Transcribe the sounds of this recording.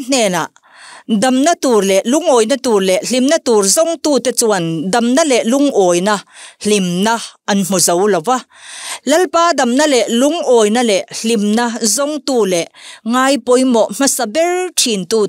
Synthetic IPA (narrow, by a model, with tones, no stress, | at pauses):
n̥ɛː˨na̰˨ʔ | dɐ˨mna˦t̪uː˨rlɛ˨ʔlu˧˥ŋʔɔː˨jna˦t̪uː˨˩rlɛ˨ʔɬi˨mnɐ˦t̪uː˨rzɔ˧ŋt̪uː˧˨t̪ɛ˦t͡suɐ˨ndɐ˨mna˦lɛ˨ʔlu˧˦ŋʔɔː˨jnɐ˦ɬi˨mnɐ˦ʔɐ˨nm̥u˨zɐ˨˦wlɐ˨wa˦lɐ˦lpaː˦dɐ˨mnɐ˦lɛ˨ʔlu˨˥ŋʔɔː˨jna˦lɛ˨ʔɬi˨mna˦zɔ˧ŋt̪uː˧˨lɛ˨ʔŋaː˧jpɔ˨jmɔ˨ʔm̥ɐ˦sɐ˨bɛ˦rʈʰi˨nt̪uː˧